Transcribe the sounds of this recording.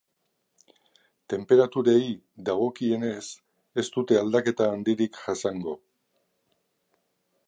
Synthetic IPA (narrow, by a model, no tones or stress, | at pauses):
t̪e̞mpe̞ɾat̪uɾei | d̪aɣ̞o̞kie̞ne̞s | e̞st̪ut̪e̞ald̪ake̞t̪aːnd̪iɾikʝasaŋɡo̞